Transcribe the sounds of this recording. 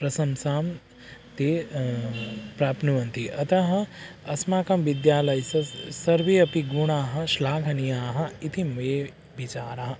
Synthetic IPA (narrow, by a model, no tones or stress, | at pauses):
pɾɐsɐmsaːm | t̪eː | pɾaːpnuʋɐnt̪iɐt̪ɐɦɐ̆ɐsmaːkɐmʋid̪jaːlɐjsɐsɐɾʋeːɐpiɡuɳaːɦɐ̆ʃlaːɡʰʱɐnijaːɦɐ̆it̪ʰimɐeː | bit͡ʃaːɾɐɦɐ̆